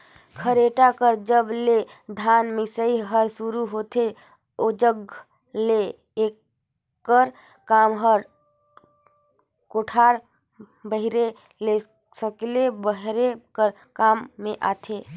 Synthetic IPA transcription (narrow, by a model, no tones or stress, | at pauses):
kʰəɾeʈakəɾd͡ʒəble | d̪ʱanmɪsəiɦəɾsuɾuɦot̪ʰe | od͡ʒəɡ | le | ekː | əɾ | kamɦəɾ | koʈʰaɾ | bəɦiɾe | le | səklebəɦɾekəɾ | kamːẽʔa̰t̪ʰe